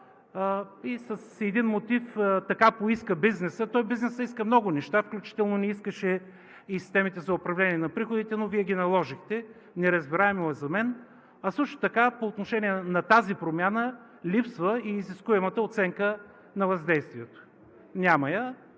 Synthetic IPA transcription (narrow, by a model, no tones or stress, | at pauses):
isəsɛd̪inmot̪ift̪ɐkapoiskəbiznɛsət̪ɔjbiznɛsəiskəmnɔɡʊnɛʃt̪afklʲut͡ʃi̥t̪ɛlˠnonɛiskəʃɛ | isi̥st̪ɛmit̪ɛzɐʊpɾɐvlɛnʲiɛnɐpɾixod̪it̪ɛnoviɛɡʲinɐlˠɔʒixt̪ɛ | nɛɾɐzbiɾaɛmoɛzɐmɛn | ɐsɤʃt̪o̥t̪ɐkapoːt̪noʃɛniɛnɐt̪azipɾomʲjanə | lʲipsvəiːziskuɛmət̪əot̪sɛŋkə | nɐvɐzd̪ɛjst̪viɛt̪o̥ | nʲamɐjə